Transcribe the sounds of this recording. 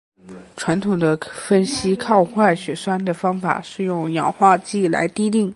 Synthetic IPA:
ʈ͡ʂʰwa˧˥nt̪ʰʊ˨˩ŋd̪ə˦fə˥nɕi˥kʰɑ˥˧ʊxwa˥˩ɕɥɛ˧˥swa˥nd̪ə˨fɑ˥ŋfa̰˨˩ʂɻ̩˥˧jʊ˥˩ŋjɑ̰˨˩ŋxwa˥˧t͡ɕi˥˩la̰˧˥ɪt̪i˥t̪i˥˩ŋ

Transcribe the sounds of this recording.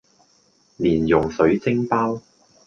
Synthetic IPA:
liː˨˩njʊ˨˩ŋsɵ˨˥ɥt͡sɪ˥ŋpaː˥w

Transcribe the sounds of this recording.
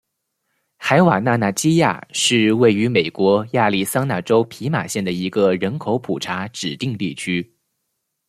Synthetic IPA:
xa˧˥ɪwa̰˨˩na˥˧na˥˩t͡ɕi˥ja̰˥˩ʂɻ̩˥˧we˥˩ɪy˧˥me˨˩ɪkwɔ˧˥ja˥˧li˥˩sɑ˥ŋna˥˩ʈ͡ʂo˥ʊpʰi˧˥ma̰˨˩ɕjɛ˥˩nd̪ə˩i˧˥ɡə˧ɻə˧˥nkʰo˧˥ʊpʰu˨˩ʈ͡ʂʰa˧˥ʈ͡ʂɻ̩˨˩t̪i˥˧ŋt̪i˥˩t͡ɕʰy˥

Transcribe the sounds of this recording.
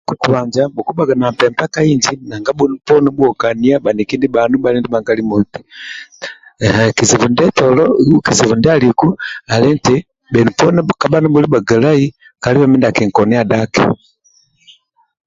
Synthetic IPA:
ku˨ku˨βaɲd͡ʒabɔ˨ku˦ba˨ɡa˨na˨mpɛ˨mpa˦ka˦iɲd͡ʒi˦na˨ŋɡa˦bunupɔ˦nɛbuɔ˨ka˨nia˦ba˨ni˨ki˦ndi˦banu˦balɛ˦ndi˦ba˨ŋɡa˦limɔ˨ti̥˨ | hɛki˨zi˨vundɛ˦tɔlɔki˨zi˨vu˨ndɛ˦a˦liku˦a˨lɛ˦ntɛ | bɛ˨nupɔ˦nɛ˦ka˨ba˦na˦buli˦ba˨ɡa˨la˦i˦ | ka˨li˦βa˨mi˦nda˨kɛ˨ŋkɔnɛ˦a˨dakɛ̰

